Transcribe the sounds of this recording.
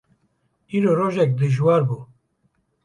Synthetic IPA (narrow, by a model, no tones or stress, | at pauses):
iːɾoɾoʒɛk̚d̪ɨʒwaɾbuː